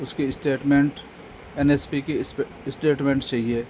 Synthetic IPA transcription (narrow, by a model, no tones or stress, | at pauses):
ʊskeɪsʈeːʈmẽːɳʈ | ɛnespike | ɪsʈeːʈmẽɳʈt͡ʃaɦieː